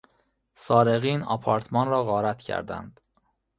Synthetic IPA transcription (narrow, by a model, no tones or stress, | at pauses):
sɒːɾeɣiːnɒ̰pʰɒːɾt̪ʰmɒːnɾɒːɣɒːɾæt̪cʰæ̰ɾd̪æ̰nd̪̥